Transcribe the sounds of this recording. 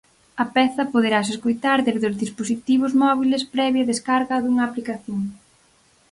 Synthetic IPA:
ɐpɛθɐpoðeɾas̬eskojt̪aɾðeβðʊzðisposit̪iβ̞ʊzmɔβilɪspɾɛβjɐðeskaɾɣɐðuŋɐːplikaθjoŋ

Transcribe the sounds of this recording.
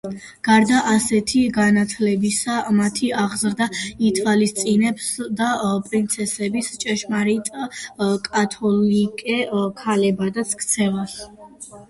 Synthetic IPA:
ɡ̥aɾd̪aʔasɛt̪ʰiɡanat̪ʰlɛbisamat̪ʰiaʁzɾd̪ait̪ʰwalist̪sʼinɛpsd̪apʼɾint̪sʰɛsɛbist͡ʃʼɛʃmaɾit̪ʼakʼat̪ʰɔlikʼɛkʰalɛbad̪at̪sʰkʰt̪sʰɛvas

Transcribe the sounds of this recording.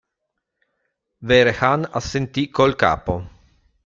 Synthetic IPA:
veɾexana̰sːent̪ikolka̰ːpo

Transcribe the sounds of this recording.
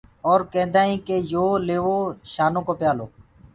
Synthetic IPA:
oːɾkɛ̃ːnd̪aːĩːkeːjoːleːʋoːʃaːnõːkoːpjaːloː

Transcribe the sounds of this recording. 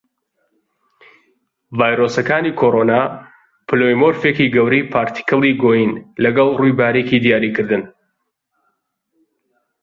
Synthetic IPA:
vaːjɾosɐkaːnikʰoɾona | pɨlojmoɾfekiɡɐwɾiːpʰaːɾt̪ʰi̥kɨlˠiɡoːjinlɐɡɐlˠrujbaːɾekid̪ijaːɾiːkɨɾd̪ɨn

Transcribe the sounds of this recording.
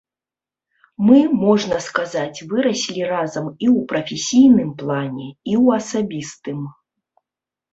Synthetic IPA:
mɨmɔʐnɐskazat͡sʲvɨɾɐsʲlʲirazɐmiwpɾɐfʲesʲijnɨmplˠanʲɛiwɐsabʲist̪ɨm

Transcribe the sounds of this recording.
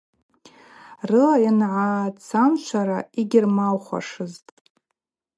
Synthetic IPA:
rɨlajanʕat͡sʰamt͡ʃʷʰaɾaiɡʲɪrmalχʷa̰ʂɨztʼ

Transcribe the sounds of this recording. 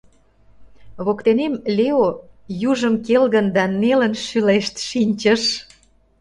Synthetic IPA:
βokt̪enemlʲeojuʒəmkelɣə̆nd̪ɑnːelənʃyleʃt̪ʃinʲt͡ɕəʃ

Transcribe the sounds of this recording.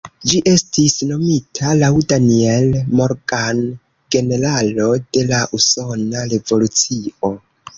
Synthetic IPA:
d͡ʒiʔe̞stisno̞mitʰalawdanielmo̞ɾɡan | ɡe̞ne̞ɾalo̞de̞laʔuso̞naɾe̞vo̞lut͡sio̞

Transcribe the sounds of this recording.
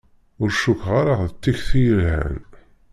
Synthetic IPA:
ʊɾʃukʁaɾaʁðət̪ːiçθijəlhæ̰n

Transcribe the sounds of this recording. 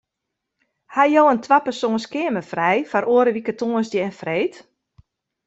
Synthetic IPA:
hajowəntʰʋapəsoənskɪəməfrɛjfaɾʔoəɾəʋikətoːənsdəɛnfreːt

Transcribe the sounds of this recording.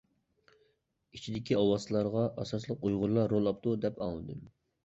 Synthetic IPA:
it͡ʃʰid̪ɪkʲiɑwɑslˠɑɾʁɑʔɑsɑslˠəq̚ujʁʊɾlˠɑːolˠɑp̚t̪ud̪ɛpɑ̰ŋlˠɨd̪ɨm

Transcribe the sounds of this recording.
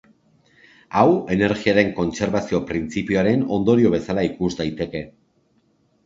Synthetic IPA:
awe̞ne̞ɾɣiaɾe̞ŋko̞nt͡se̞ɾβasio̞pɾint͡sipioaɾe̞no̞nd̪o̞ɾio̞βe̞salaikuzd̪ajt̪e̞ke̞

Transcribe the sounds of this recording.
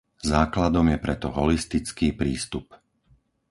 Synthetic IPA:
zaːklad̪ɔmjɛpɾɛt̪ɔɦɔlist̪it͡skiːpɾiːst̪up

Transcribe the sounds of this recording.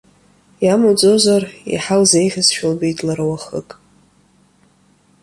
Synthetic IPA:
jamud͡zʼozarḭħalzejχʲɪzʃᶣalbitʼlarwaχə̰kʼ

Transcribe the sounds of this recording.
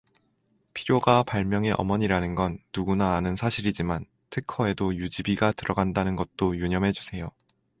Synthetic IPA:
pʰiɾjoɡapaɭmjʌŋe̞ʔʌ̰mʌɲiɾanɯnɡʌnːuɡunaːnɯnsʰaɕʰiɾid͡ʑiman | tʰɯkʰʌe̞dojud͡ʑibiɡatɯɾʌɡandanɯnɡʌt̚t͈ojuɲʌmɦe̞d͡ʑusʰe̞jo

